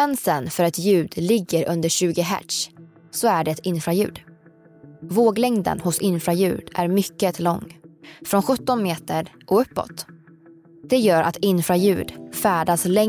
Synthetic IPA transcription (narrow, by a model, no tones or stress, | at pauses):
ɛnsənfœɾɛt̪jʉ̟ːd̪lɪɡːəɾɵnd̪əɾɕʉ̟ːɡɪɦæ̰ʈʂ | sɔæɖɛɛt̪ɪnfɾajʉ̟̰ːd̪ | voːɡlɛŋd̪ə̰nhʊsɪnfɾajʉ̟ːɖʔæ̰ɾmʏkːət̪ʰlɔŋːfɾɔnɧɵt̪ːɔnmeːt̪əɾʔɔɵpːɔ̰t̪ | d̪̥ɛjœːɾʔa̰t̪ɪnfɾajʉ̟ːɖ̪fæːɖaslɛ